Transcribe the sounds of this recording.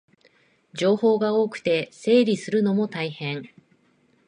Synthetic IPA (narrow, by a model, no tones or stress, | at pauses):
d͡ʑo̞ːho̞ːɡao̞ːkɯ̟̥t̪e̞se̞ːɾʲisɨɾɯ̟no̞mo̞t̪aihẽ̞ɴ